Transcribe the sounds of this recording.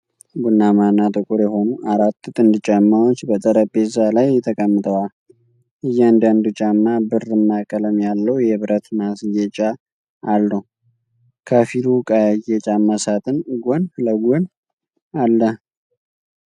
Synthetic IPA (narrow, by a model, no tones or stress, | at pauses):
bunːamanːat̪ʼɨkʼuɾjɛɦo̞nuaɾat̪ːt̪ʼɨnd̪ɨt͡ʃʼamːawot͡ʃːbət̪ʼəɾəpʼːezalajːɛt̪ʰəkʼəmːɨt̪ʼəwal | ʔɨjːand̪and̪ut͡ʃʼamːabɨrɨmːakʼələmjalːəwjɛβɾət̪masjɛt͡ʃʼaː | lːəw | kʰəfilukʼajajɛt͡ʃʼaməsat̪ʰɨnɡʷonfləɡʷɔn | alːə